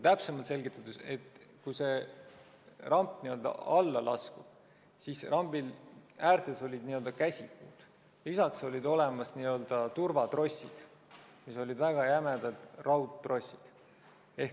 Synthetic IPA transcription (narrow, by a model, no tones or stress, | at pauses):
t̪æpse̞mɑlt̪se̞lɡit̪ːˑɑd̪use̞t̪kujse̞ | rɑmpniø̞ld̪ɑ̰ɑlːɑlʔɑ̰skub̥ | sisrʔɑmbilæːɾt̪ˑeso̞lʲid̪niø̞ld̪̥ɑkæsʲikuːd̪̥ | lisɑkso̞lʲid̪o̞le̞mɑsniøld̪̥ɑt̪urvɑt̪ro̞sʲḭd̪̥ | miso̞lʲid̪væɡ̥ɑjæmed̪̥ɑd̪̥rɑwt̪ːro̞sʲid̪̥ | e̞h